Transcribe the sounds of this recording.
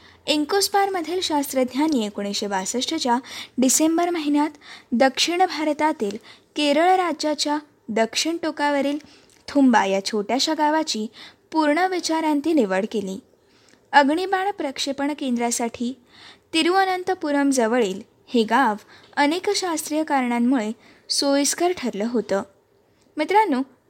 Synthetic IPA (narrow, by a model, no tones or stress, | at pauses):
iŋkospaɾməd̪ʱːiːlɕast̪ɾəd̪ʱjanjekoɽ̃eɕebasəʂʈət͡ɕjaɖisembəɾməɦiɳjat̪d̪əkʂiɳbʱaɾt̪at̪iːlkeɾəɭɾad͡ʑat͡ɕja | d̪əkʂiɳʈokaʋəɾiːl | t̪ʰumbajat͡ɕʰoʈjaɕaɡaʋat͡ɕiːpuɾɳəʋit͡ɕaɾant̪iːniʋəɭkelḭː | əɡɳibaɳpɾəkʂepəɳkend̪ɾjasaʈʰiː | t̪iɾuənənt̪əpuɾəmd͡zəʋəɭiːl | heɡaʋənekɕast̪ɾijəkaɾɳamːuɭe | sojskəɾʈʰəɾləːɦot̪əː | mit̪ɾanːuː